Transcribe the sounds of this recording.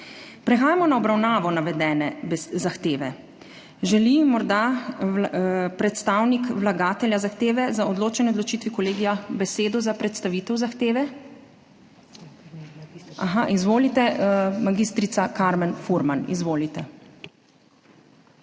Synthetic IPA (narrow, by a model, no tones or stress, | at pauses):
pɾɛxaːjamɔnaɔbɾawnaːʋɔnaʋɛd̪ɛːnɛzaxt̪eːʋɛ | ʒɛlimɔɾd̪a | pɾɛt̪st̪aːwnikʋlaɡaːt̪ɛljazaxt̪eːʋɛzaɔd̪loːt͡ʃɛnɛɔd̪lɔt͡ʃit̪ʋikɔleːɡijabɛseːd̪ɔzapɾɛt̪st̪aʋit̪ɛwzaxt̪eːʋɛ | aɦaʔizʋoːlit̪ɛmaɡist̪ɾit̪sakaɾmɛnfuɾmanḭzʋoːlit̪ɛ